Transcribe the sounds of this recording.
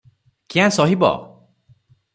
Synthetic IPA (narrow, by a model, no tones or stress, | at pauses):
kiãsɔɦibɔ̰